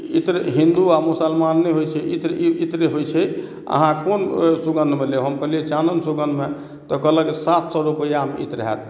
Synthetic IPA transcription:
ḭt̪ɾɦĩnd̪uamusəlmanːeɦojt͡ʃʰɛʔit̪ɾit̪ɾeɦojt͡ʃʰɛ | ə̰ɦãkonsuɡənd̪ʱmeleɦəmkəliet͡ʃanənsuɡənd̪ʱme | t̪ɔkələɡsat̪sɔɾupəjamḭt̪ɾəɦɛ̰t̪

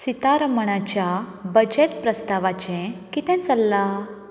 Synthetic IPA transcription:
sit̪aɾəməɳat͡ɕjabəd͡ʑeʈpɾəst̪aʋat͡ɕɛ̃kit̪ɛ̃nt͡səlːa

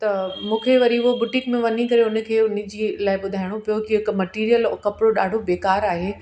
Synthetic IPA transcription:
t̪ɐmũːkʰeʋɐɾiʊɦbʊʈɪkmẽʋɐnikɐɾeʊnə̆kʰeːʊn̆d͡ʑiːlaːɪɓʊd̪ʱaːɪɽ̃opijokiɪkmɐʈiːɾijəlkɐpɽoɗaːɖʱobeːkaːɾaːɦeː

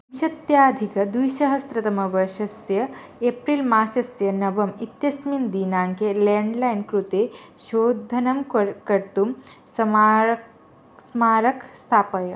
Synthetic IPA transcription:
ɐmʃɐt̪jaːd̪ʱikɐd̪ujʃɐɦɐst̪ɾɐt̪ɐmɐbɐʃɐsjɐepɾilmaːʃɐsjɐnɐʋɐmit̪jɐsmind̪iːnaːŋkeleɳɖlainkɾut̪eʃoːd̪ʱɐnɐmkɐɾt̪umsɐ | smaːɾɐkʰst̪ʰaːpɐjɐ

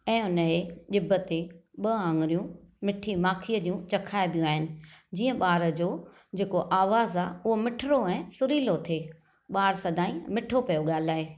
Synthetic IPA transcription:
ɛ̃ːʊnəɦeɗɪbət̪eɓɐãŋɡɪɾijũmɪʈʰimaːkʰiːəd͡ʑiũt͡ɕɐkʰaːɪbʱijũaːɦɪnɪ̆d͡ʑiːə̃ɓaːɾəd͡ʑoː | d͡ʑeːkoʔaːʋaːzaːʊɦomɪʈʰɪɾoɛ̃ːsʊɾiːlot̪ʰeː | ɓaːɾsɐd̪aːĩmɪʈʰopɐjoɠaːl̤aːɦeː

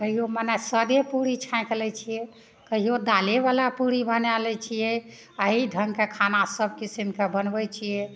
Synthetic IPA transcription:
kəɦijomənasəd̪epuɾit͡ʃʰãjklɛt͡ʃʰijɛ | kəɦijod̪aleβalapuɾibənalɛt͡ʃʰijɛ | əɦiɖʱəŋɡkekʰanasəb̚kisimkebənbɛt͡ʃʰijɛ

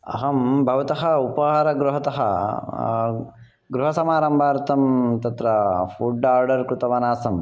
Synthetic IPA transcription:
ɐ̰ɦɐmbʱɐʋɐt̪ɐɦɐupɐɦaːɾɐɡɾuɦɐt̪ɐɦɐ̰ | ɡɾuɦɐsɐmaːɾɐmbʱaːɾt̪ɐmt̪ɐt̪ɾɐfuɖaːɾɖɐɾkɾut̪ɐʋɐnaːsɐm

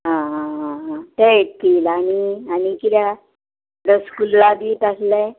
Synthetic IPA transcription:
ɦã | t̪eeʈt̪iːlañianikit̪ja | ɾəskullabʱiːt̪aslɛ

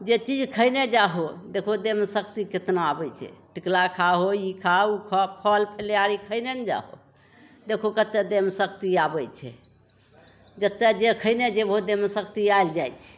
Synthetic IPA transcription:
d͡ʒet͡ʃid͡ʒkʰəjned͡ʒaɦod̪ekʰod̪emsəkt̪iket̪noabɛt͡ʃʰɛ̰ʈiklakʰaɦoikʰaukʰəpʰəlpʰeljaɾikʰəjnend͡ʒa̰ɦo̰ | d̪ekʰokət̪ːed̪emsəkt̪iabɛt͡ʃʰɛ̰ | d͡ʒət̪ːed͡ʒekʰəɪned͡ʒebɦod̪emsəkt̪iajld͡ʒajt͡ʃʰɛ̥

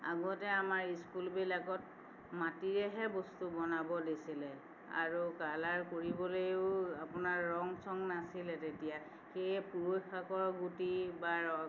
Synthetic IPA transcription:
a̰ɡɔtɛamaɹiskulbilakɔt̚ | matiɹɛɦɛbɔstubɔnabɔdesilɛ | a̰ɹukalaɹkoɹibɔlojʊapʊnaɹːɔŋsɔŋnasilɛtetija | xejɛpuɹojxakɔɹɡutibaɹɔ

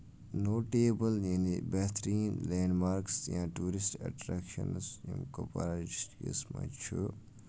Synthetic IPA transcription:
noːʈeːbɐljinibet̪ʰɾiːnleːɳɖmaːɾksjãːʈuːɾisʈɐ̰ʈɾakʃɐ̰nsjḭ̃mko̰pɐ̰ɾaid͡ʒʈkḭsmã̰t͡ʃʰu

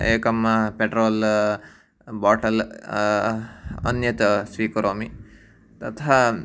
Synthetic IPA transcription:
ḛːkɐmɐpeʈɾoːl | baːʈɐl | ɐ̰njɐt̪ɐsʋiːkɐɾoːmi | t̪ɐt̪ʰɦɐ

